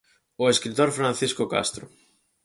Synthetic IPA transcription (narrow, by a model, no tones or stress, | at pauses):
oeskɾit̪oɾfɾãn̟θiskoka̰st̪ɾʊ̰